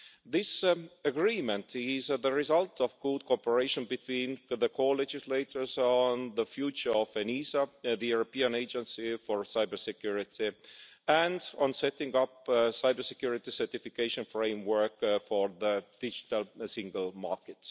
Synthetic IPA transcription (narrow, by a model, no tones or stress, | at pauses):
ðɪsəɡɹĩːmə̃ntʰɪzðəɹizʌltʰɔvɡud̥̪̚kʰopəɹeɪʃə̃nbit̪ʰwĩːnðəkʰoːled͡ʒɪsleɪtʰə˞zɔ̃nðəfjuːt͡ʃə˞ɔvenisaðəjuɹopiə̃neɪd͡ʒə̃nsifɔɹsaɪbə˞sɛkʰjuɹɪt̪ʰiæ̃ndə̃nsɛtɪ̃ŋʌpsaɪbə˞sɛkjuɹɪt̪isə˞tifikeɪʃə̃nfɹẽɪ̃mwɜ˞kfɔɹðəd̪̥ɪd͡ʒɪt̪əlsɪ̃ŋɡəlˠmɑ̰ɹkɨt